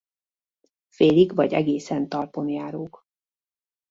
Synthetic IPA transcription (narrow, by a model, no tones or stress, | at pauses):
feːliɡvɒɟɛɡeːsɛnt̪ɒrpo̞njaːɾoːk